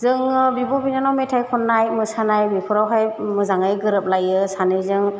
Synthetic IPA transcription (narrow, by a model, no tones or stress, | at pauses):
zɯŋbibɔbinanawmetʰajkʰɔnːajmɯsanajbipʰɔɾawɦajmɯzaŋajɡɯɾɯp̚lajɯsanɯjzɯŋ